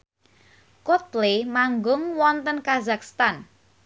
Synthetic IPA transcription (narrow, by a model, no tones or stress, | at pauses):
kot̪lemaŋɡʊŋwɔnt̪ənkazakst̪an